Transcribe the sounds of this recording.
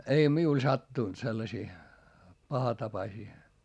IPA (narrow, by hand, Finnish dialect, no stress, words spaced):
ei miul sɑtːuˑnt selːɑsiː pɑhɑtɑpɑsiː